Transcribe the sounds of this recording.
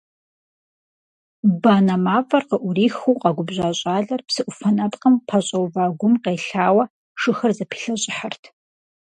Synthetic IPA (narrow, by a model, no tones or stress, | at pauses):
baːnɐmaːvɐrqəʔʷʊriːxuwqɑɡʷʊbʑʷaːɕʼaːɮɐrpsɨʔʷʊfɐnɐpqəmpʰaɕʼɐwvaːɡʷʊmqeːɬaːwɐ | ʂɨxɐrzɐpʰi̥ɬɐɕʼɪħartʰ